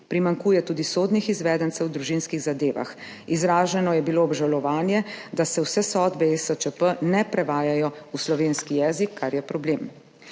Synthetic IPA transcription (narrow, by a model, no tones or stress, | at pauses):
pɾimaŋkuːjɛt̪uːd̪isoːd̪nixizʋɛːd̪ənt̪sɛwd̪ɾuʒinskiɣzad̪eːʋa̰x | izɾaːʒɛnɔjɛbiloɔbʒalɔʋaːnjɛd̪asɛwsɛsɔd̪bɛesət͡ʃəpənɛpɾɛʋaːjajɔuslɔʋenskijɛːzikʰːaɾjɛpɾɔbleːm